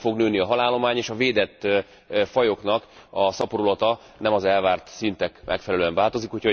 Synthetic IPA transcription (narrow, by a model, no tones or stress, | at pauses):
fo̞ɡnøːniɒɦɒlaːlːo̞maːɲeːʃɒveːd̪ɛt̪ː | fɒjo̞knɒkɒsɒpoɾolɒt̪ɒ | nɛmɒzɛlvaːrt̪sint̪ɛkmʔɛ̰kfɛlɛløːɛɱvaːlt̪o̞zikho̞chɒ